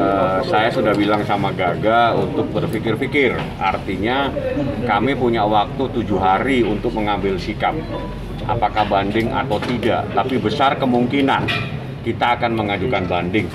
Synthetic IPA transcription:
əsajasudahbilaŋsamaɡaɡaunt̪ʊk̚bərfikɪrfikɪrʔa̰rt̪iɲakamipuɲawak̚t̪ut̪ud͡ʒuɦaɾiunt̪ʊk̚məŋambɪlsikap̚ | ʔa̰pakahbandɪŋa̰t̪awt̪iɡa̰t̪apibəsarkəmuŋkinan | kit̪aːkanməŋad͡ʒukanbandɪŋ

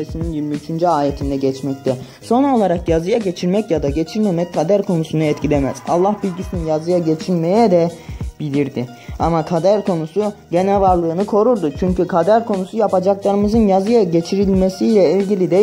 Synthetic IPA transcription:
esininjilʲmiyt͡ʃʰynd͡ʒyaːjet̪ʰind̪ɛɟɛt͡ʃmɛct̪ʰɛ | so̞no̞lˠaɾakjazɯjaɟe̞t͡ʃʰiɾmɛcjad̪aɟet͡ʃʰiɾmemɛc̚kʰːad̪æɾkʰo̞nusunuɛt̪cʰilʲemɛ̰z̥a̰lˠːahbilʲɟisininjazɯjaɟet͡ʃʰiɾmejɛd̪ɛb̥ilʲiɾd̪i | amakʰad̪æɾkʰo̞nusuɟenɛvaɾlˠɯːnɯkʰo̞ɾuɾd̪ut͡ʃʰyɲcykʰad̪æɾkʰo̞nusujapad͡ʒaklˠaɾɯmɯzɯnjazɯjaɟet͡ʃʰiɾilʲmesijlʲɛilʲɟilʲid̪ɛ

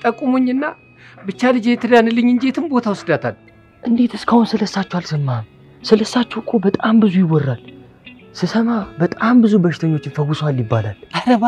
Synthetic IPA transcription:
t̪ʼəkʼːumoɲːɨnːa | bɨt͡ʃːalɨd͡ʒet̪ʰɨd̪anɨlːɨɲːɨnd͡ʒet̪ʰɨmbo̞t̪ʰawsɨd̪at̪ʰal | ʔɨnd̪e̞t̪ʰɨskʰahʊnsɨləsːat͡ʃːwalsɨmːam | sɨləsːat͡ʃːɛwkʼːobət̪ʼambɨzujɪwːɔrːal | sɨsəmabət̪ʼambɨzubəʃɪ̥t̪ʰəɲːot͡ʃːɪfəɡuswaljɪbːala̰laɾa

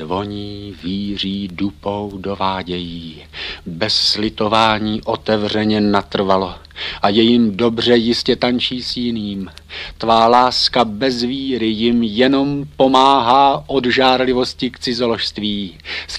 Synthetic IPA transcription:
vo̞ɲiːviːr̝iːdupo̞wdo̞vaːɟɛjiː | bɛsːlɪt̪o̞vaːɲiːʔo̞t̪ɛvr̝ɛɲɛnat̪r̩valo̞ʔajɛjɪmdo̞br̝ɛjɪscɛt̪ant͡ʃiːsjɪniːmt̪vaːlaːskabɛzviːɾɪjɪmjɛno̞mpo̞maːɦaːʔo̞dʒaːɾlɪvo̞scɪkt͡sɪzoloʃst̪viːs

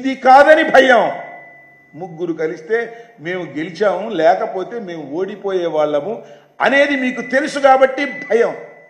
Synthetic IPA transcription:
id̪ikaːd̪ɐnibʱɐjɐm | muɡːuɾukɐlist̪e̞ːme̞ːmuɡe̞lit͡ʃaːmulɛːkɐpoːt̪e̞ːme̞ːmuo̞ːɽipo̞ːjɛːʋaːɭːɐmu | ɐne̞ːd̪imiːkut̪e̞lusuɡaːbɐʈːibʱɐjɐm

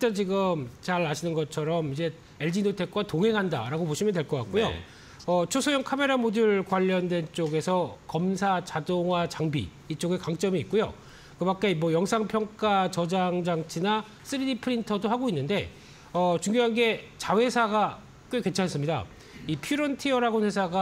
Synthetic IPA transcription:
t͈ant͡ɕiɡɯmt͡ɕaɾaɕʰinɯnɡʌt͡ɕʰʌɾʌmid͡ʑe̞ | e̞ɭd͡ʑinotʰe̞k͈̚watoŋɦe̞ŋɦanda̰ɾaɡopoɕʰimjʌntwe̞ɭk͈ʌk͈a̰k͈ujo̰ | ʌt͡ɕʰosʰojʌŋkʰame̞ɾamodɯɭkwaʎːʌndwe̞nt͡ɕ͈oɡe̞sʰʌkʌmsʰat͡ɕadoŋwat͡ɕaŋbḭ | it͡ɕ͈oɡe̞kaŋt͡ɕ͈ʌmiːt̚k͈ujo̰ | kɯmak͈emwʌjʌŋsʰaŋpʰjʌŋk͈at͡ɕʌd͡ʑaŋd͡ʑaŋt͡ɕʰina | s͈ɯɾidipʰɯɾintʰʌdohaɡoinːɯnde̞̰ | ʌt͡ɕuŋjoɦanɡe̞t͡ɕawe̞sʰaɡa | k͈eke̞nt͡ɕʰanes͈ɯmɲida̰ | ipʰiɾʌntʰiʌɾaɡonhwe̞sʰaɡa

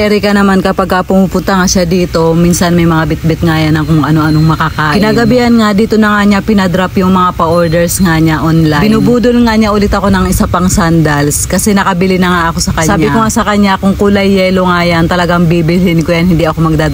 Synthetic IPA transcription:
ɛɾɪkɐnɐmankɐpaɡ̚kɐpʊmuːpʊnt̪ɐŋaʃad̪iːt̪o̞minsɐnmɐjmɐŋabɪt̪̚bɪt̪̚ŋajanɐŋkʊŋʔɐno̞ʔɐnoŋmɐkakaːʔkɪnaːɡɐbiʔɐnŋad̪iːt̪o̞nɐŋaɲapɪnɐd̪ɾapjʊŋmɐŋapɐʔoɹd̪ɛɹsŋaɲaʔonlabɪnubuːd̪olŋaɲaʔʊlɪt̪ɐko̞nɐŋʔɪsapɐŋsand̪ɐlskɐsɛnɐkɐbɪlɪnɐŋaʔɐko̞sɐkɐsɲsaːbɪkoŋasɐkɐɲːakʊŋkʊlɐjːɛloŋajant̪ɐlɐɡaŋbibɪlhɪnkojanhɪnd̪iʔɐko̞mɐɡ̚d̪aː

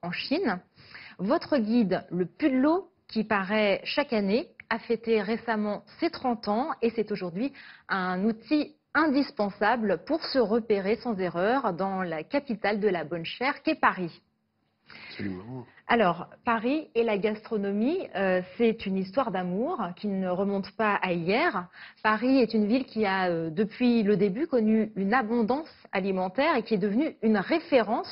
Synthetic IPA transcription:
ɑ̃ʃin | vɔt̪χəɡʲid̪ləpyd̪lo | kʲipaʁɛʃakaneafɛt̪eʁesamɑ̃set̪χɑ̃t̪ɑ̃esɛt̪oʒuʁd̪ɥiɛ̃nut̪ʰi | ɛ̃d̪ispɑ̃sablpuʁsəʁəpeʁesɑ̃zeʁœʁd̪ɑ̃lakʲapit̪ald̪əlabɔnʃɛʁkʲɛpaʁi | s | a̰lɔʁpaʁielaɡast̪χɔnɔmiøsɛt̪ynist̪waʁd̪amuʁkʲinəʁəmɔ̃t̪paʔaijɛʁpaʁiɛt̪ynvilkʲiaød̪əpɥiləd̪ebykɔnyynabɔ̃d̪ɑ̃salimɑ̃t̪ɛʁekʲiɛd̪əvnyynʁefeʁɑ̃s

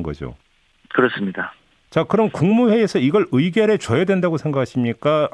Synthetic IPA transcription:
nɡʌ̰d͡ʑo̰ | kɯɾʌs͈ɯmɲida | t͡ɕakɯɾʌnkuŋmuɸe̞esʰʌiɡʌɭɯiɡjʌɾet͡ɕʌjʌdwe̞ndaɡosʰe̞ŋɡakʰaɕʰimɲik͈a

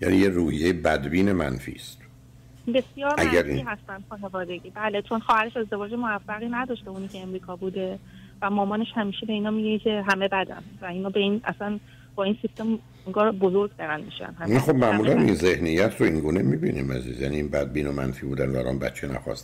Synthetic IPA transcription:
jæ̰nijeruːhijejebæd̪biːne̞mæ̰nfḭːst̪ | be̞sijɒːɾæɡæɾiɦæst̪ænd̪xɒːnevɒːd̪e̞ɟiːbæːlet͡ʃʰo̞nxɒːhæɾeʃe̞zd̪e̞vɒːd͡ʒemoæfːæɣinæd̪ɒːʃt̪euːniːkcʰeːmɾiːkʰɒːbud̪e̞ | væmɒːmɒːne̞ʃhæmiːʃebe̞iːnɒːmiɡecʰe̞ɦæme̞bæd̪æ̰ndvæinɒːbe̞iːnæ̰sæn | b̥ɒːinsist̪em | eŋɡɒːɾbozo̞ɾɡd̪æɾænd̪miʃæ̰nhæmxo̞bmæmuːlænḭnzehnijːæt̪ʰɾoiŋɡuːnemibḭnḭmæ̰zḭːzjæ̰niːnbæd̪̚biːnomæ̰nfiːbuːd̪ænd̪vææ̰lɒ̰nbæ̰t̪t͡ʃʰenæ̰xɒ̰ːst̪

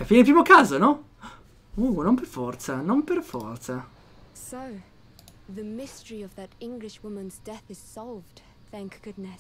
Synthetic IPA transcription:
afiːnep̬ɾimokaːzonɔ | unomperfɔrt̪sanomperfɔ̰rt̪sa | soʊ | ðɨmɪstə˞iʌvðɨɾɪ̃ŋɡlɪʃwʊmə̃nzdɛθɨz̥sɑlˠvd̥ | θæ̃ŋkɡ̥ʊdⁿnɨs

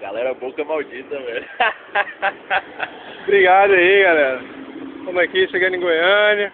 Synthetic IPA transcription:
ɡa̰lɛɾɐbokɐmawd͡ʒit̪ɐmez | bɾiɡad̪ɐiɡalɛɾɐk̪õmɐkiʃeɡɐ̃nɪ̃ŋɡojɐ̃nɪ

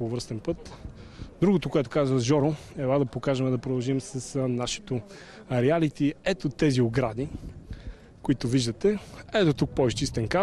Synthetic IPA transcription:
ovəɾst̪ɛnpɤt̪ | d̪ɾuɡot̪okʊɛt̪o̥kazvəʒɔɾoɛbad̪ɐpokaʒɛmɛd̪ɐpɾod̪ɐlˠʒimsɐsnaʃi̥t̪o | ɾɛalit̪iɛt̪ot̪ɛzioɡɾad̪i | koit̪oviʒd̪ət̪ɛɛt̪ot̪uk̚pɔist͡ʃist̪ɛnka

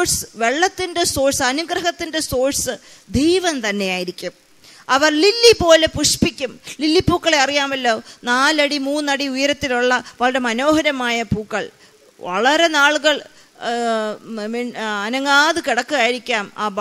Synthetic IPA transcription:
sɨ̥ʋe̞ɭːɐt̪ːinde̞so̞ːɻsɐnuɡɾɐɦɐt̪ːinde̞so̞ːɻsɨd̪ejʋɐnt̪ɐnːe̞jaːjiɾikʲːum | ɐʋɐrlilːipo̞ːle̞puʂpikʲːumlilːipːuːkːɐɭe̞ɐrijaːmɐlːo̞ːnaːlɐɽimuːnɐɽiujɐɾɐt̪ːiluɭːɐʋɐɭɐɾe̞mɐno̞ːɦɐɾɐmaːjɐpuːkːɐɭ | ʋɐ̰ɭɐɾe̞naːɭuɣɐɭ | miɐnɐŋɡaːðɨkiɽɐkːɨɣaːjiɾikʲːaːma̰ːb

